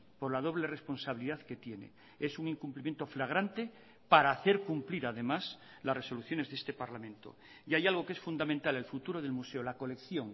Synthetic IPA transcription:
po̞ɾlað̞o̞β̞le̞re̞spo̞nsaβiliðaðke̞t̪je̞nḛ | esuŋiŋkumplimjent̪o̞flaɣ̞ɾant̪e | paɾaːθe̞ɾkumpliɾaðe̞mas | lasre̞so̞luθjo̞ne̞zðe̞st̪e̞paɾlamẽnt̪o̰ | jajalɣ̞o̞ke̞sfund̪amẽnt̪ale̞lfut̪uɾo̞ðe̞lmuse̞olako̞le̞kθjo̞ŋ

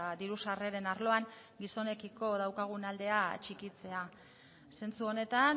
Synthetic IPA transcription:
d̪iɾusare̞ɾe̞naɾlo̞aŋ | ɡiso̞ne̞kiko̞ðawkaɣ̞unald̪e̞at͡ʃikit͡se̞a | se̞nt͡suo̞ne̞t̪an

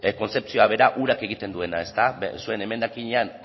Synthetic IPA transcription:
ko̞nt͡se̞p̚t͡sioaβ̞e̞ɾaʔuɾake̞ɣ̞it̪e̞nd̪ue̞nae̞st̪asue̞ne̞me̞nd̪akiɲean

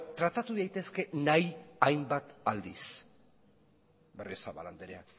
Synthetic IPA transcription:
t̪ɾat̪at̪uðajt̪e̞ske̞najajmbat̪ald̪is | berisaβa̰la̰nd̪eɾea̰

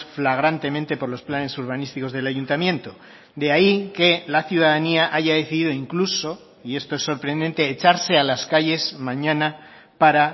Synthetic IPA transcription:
flaɣ̞ɾant̪e̞mẽnt̪e̞po̞ɾlo̞splane̞suɾβ̞anist̪iko̞zð̞e̞laʝunt̪amjẽ̞nt̪o | d̪eaike̞laθjuðaðaniaʔaʝaðe̞θiðiðo̞iŋkluso̞ | ie̞st̪oesːo̞ɾpɾe̞nd̪ent̪e̞ːt͡ʃaɾse̞alaskaʝe̞zmãɲãna | paɾa

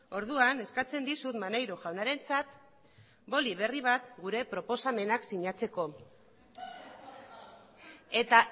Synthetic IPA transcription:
o̞ɾðuane̞skat͡se̞nd̪isut̪manejɾoʝawnaɾe̞nt͡sat̪ | bo̞liβ̞e̞riβ̞at̪ɡuɾe̞pɾo̞po̞same̞naksiɲat͡se̞ko̞ | e̞t̪a

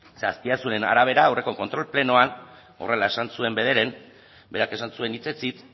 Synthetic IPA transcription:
sastiasune̞na̰ɾaβ̞e̞ɾaːwre̞ko̞ko̞nt̪ɾo̞lple̞no̞an | o̞̰re̞lae̞sansue̞mbe̞ð̞e̞ɾe̞n | be̞ɾake̞s̬ansue̞nit͡se̞t͡sit͡s

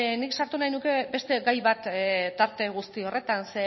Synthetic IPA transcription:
niksaɾt̪unajnuke̞be̞st̪e̞ɡajβat̪t̪aɾt̪e̞ɣ̞ust̪io̞re̞t̪anse

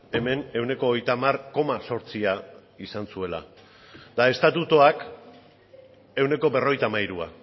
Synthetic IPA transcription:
e̞me̞ne̞wne̞ko̞ːjt̪amarko̞maso̞ɾt͡siaisansue̞la̰ | d̪ae̞st̪at̪ut̪oak | e̞wne̞ko̞be̞ro̞jt̪amajɾua

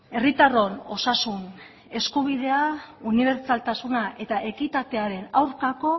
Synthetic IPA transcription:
e̞rit̪aro̞no̞sasun | e̞skuβ̞iðe̞auniβ̞e̞ɾt͡salt̪asunaʔe̞t̪aʔe̞kit̪at̪e̞aɾe̞nawɾkako̞

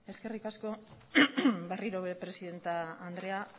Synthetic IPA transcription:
e̞ske̞rikasko̞ | beriɾo̞βe̞pɾe̞siðe̞nt̪aːnd̪ɾe̞a

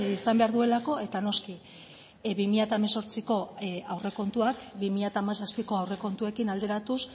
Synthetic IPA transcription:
isambe̞aɾðue̞lako̞e̞t̪ano̞ski | βimiʎat̪ameso̞ɾt͡siko̞awre̞ko̞nt̪uakbimiʎat̪aːmasaspiko̞awre̞ko̞nt̪ue̞kinald̪e̞ɾat̪us

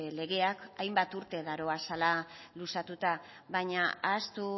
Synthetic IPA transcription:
le̞ɣe̞akajmbat̪uɾt̪e̞ðaɾo̞asalalusat̪ut̪a | βaɲaast̪u

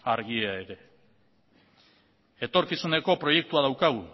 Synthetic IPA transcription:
aɾɣ̞ieae̞ɾe̞ | e̞t̪o̞ɾkisune̞ko̞pɾo̞je̞k̚t̪uaðawkaɣ̞u

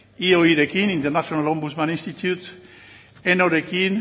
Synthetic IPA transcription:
ioiðekinĩnt̪eɾnasjonalõmbusmãnĩnst̪it̪jut̪ | enoɾekin

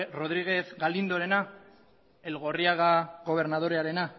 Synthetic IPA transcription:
ro̞ðɾiɣ̞e̞zɡalind̪oɾe̞na | e̞lɣo̞riaɣaɣo̞β̞e̞ɾnað̞o̞ɾeaɾe̞na

